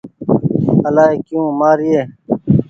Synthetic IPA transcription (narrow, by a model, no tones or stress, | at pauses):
ɐlaːekjũːmaːɾijeː